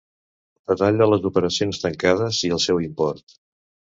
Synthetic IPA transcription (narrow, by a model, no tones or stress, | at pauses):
b̥əðaʎələzupəɾəsionst̪əŋkað̞əziəlˠsɛwimpɔrt̪